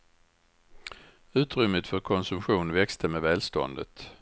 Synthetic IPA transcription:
ʉ̟ːt̪ɾʏmːət̪fœɾkʰɔnsɵmɧuːnvɛkst̪ʰəmɛvɛːlst̪ɔ̰nd̪ə̰t̪

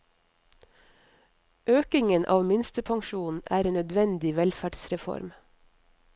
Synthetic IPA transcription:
ʔøːkɪŋənʔɑ̰ːʋmɪnst̪əpʰɑŋʃuːnn̩æːɾeːnœd̪ʋɛnd̪ɪʋɛlfæɖsɾɛfɔ̰ɾm

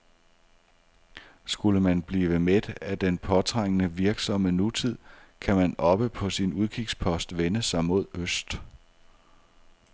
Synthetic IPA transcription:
sɡ̥uləmænb̥liːʋəmed̥æd̥enpʰɒ̽t͡sʰʁaŋ̰ənəʋiɐɡ̥sɒ̽mənut͡sʰið̞̰ˠkʰæmænɒ̽b̥əpʰɒ̽sinuð̞ˠkʰiɡ̥spʰɒ̽sd̥ʋenəsɑ̈ɪmo̝ð̞̰ˠøsd̥

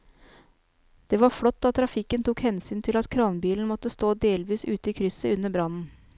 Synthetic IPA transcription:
d̪̥eːʋɑɾflɔt̪ːɑt̪ʰːɾɑfɪkːənt̪ʰuːkhɛnsyːnt̪ʰɪlɑt̪kʰɾɑːnbiːln̩mɔt̪ːəst̪oːd̪eːlʋiːsʉ̰ːt̪əiːkʰɾʏsəʉnːəbɾɑnn̩

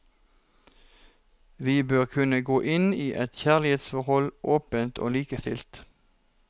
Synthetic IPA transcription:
ʋiːbøːʁkʰʉnəɡoːʔɪniːʔɛt̪çæʁlɪheːt̪sfɔʁhɔlʔoːpənt̪ʰo̰ːliːkəst̪ɪ̰lt̪

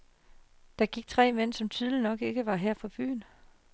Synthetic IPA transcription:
d̥ɑ̈ɡ̥iɡ̥̚t͡sʰʁɛ̰ːmen̰sɒ̽mt͡sʰyð̞ˠlinɒ̽ɡ̥e̝ɡ̥əʋɑ̈ɦɛɐ̰fʰɒ̽b̥y̰ːn

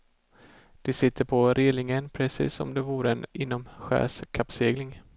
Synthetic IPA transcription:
d̪̥ɛsɪt̪ʰːəɾpʰɔɾʔɪlɪŋənpʰɾɛsḭːsːɔ̰md̪ɛvuːɾəɛnɪnːɔmɧæ̰ːskʰapːseːɡlɪŋ

